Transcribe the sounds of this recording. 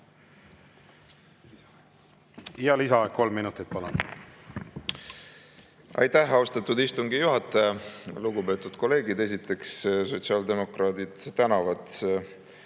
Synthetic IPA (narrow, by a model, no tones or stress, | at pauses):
iɑlisɑko̞lmːinut̪ˑit̪̚pɑlɑn | ʔɑ̰jt̪æɦɑost̪ɑt̪ud̪ist̪uŋɡijuɦɑt̪ːˑɑjɑluɡupe̞ːt̪ːˑud̪̥ko̞le̞ːɡid̪e̞s̬it̪ːˑe̞ksso̞t̪siɑld̪e̞mo̞krɑːd̪̥id̪̥t̪ænɑvɑd̪̥